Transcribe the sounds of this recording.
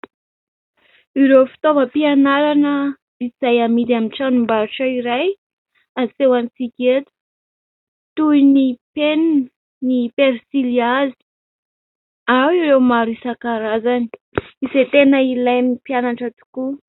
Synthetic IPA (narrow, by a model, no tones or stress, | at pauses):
iɾewfi̥t̪ovəpianaɾanə | izajamid̪amiʈ͡ʂanumbaɾuʈ͡ʂaiɾaj | asewanit͡sikʲet̪u̥ | t̪ujnipenn | nipeɾsiliazi̥ | awiɾewmaɾuisakaɾazani̥iset̪enəilajmipianaʈ͡ʂət̪u̥ku